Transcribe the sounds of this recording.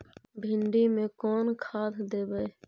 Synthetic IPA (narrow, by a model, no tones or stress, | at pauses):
bʱɪɳɖimẽːkoːnkʰaːt̪ʰd̪eːbəe